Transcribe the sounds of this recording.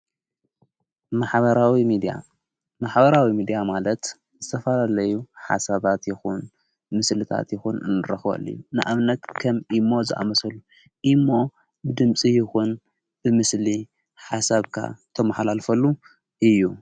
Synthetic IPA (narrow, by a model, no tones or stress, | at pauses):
maħβɐɾawimid̪a̰ | maħbɐɾawimid̪ijamalɐt̪ | zɨt̪ʰɐfɐlalɐjuħa̰saβat̪jɪxun | mɨslɨt̪ʰa̰t̪jɪxunɨnɨɾɐxɐ̰lːḭjunɨʔaβnɐt̪kʰɐmimːo̞zɨʔa̰mɐsɐlu | ʔimːo̞ | bɨd̪ɨmt͡sʼijɪxun | bɨmɨsli | ħasaβkʰa̰t̪ʰɐmaħalalfɐlːu | ʔɨjːu